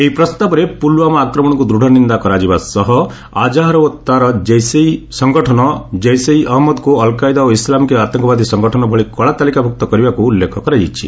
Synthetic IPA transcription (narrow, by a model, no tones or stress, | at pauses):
eipɾɔst̪abɔɾepulwamɔakɾɔmɔɽ̃ɔkud̪ɾuɽʱɔnind̪akɔɾad͡ʒibasɔɦɔ | a̰d͡ʒaɦɾɔɔt̪ːaɾɔd͡ʒejsejsɔŋɡɔʈʰɔnɔd͡ʒejsejʔɔɦmɔd̪kuɔlkajd̪aoislamkeat̪ɔŋkɔbad̪ʱisɔŋɡɔʈʰɔnɔbʱɔɭikɔɭat̪alikabʱuk̚t̪ɔkɔɾibakuːlːekʰɔkɔɾajit͡ʃʰḭ